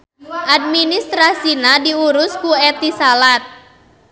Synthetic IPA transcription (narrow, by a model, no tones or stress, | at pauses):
ʔad̚minist̪ɾasinadiuɾʊskuɛt̪isalat̪̚